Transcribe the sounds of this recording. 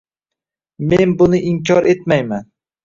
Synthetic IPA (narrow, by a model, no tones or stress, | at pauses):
menbʊnɪʔɪŋkʲʰɒɾe̞t̪̚majman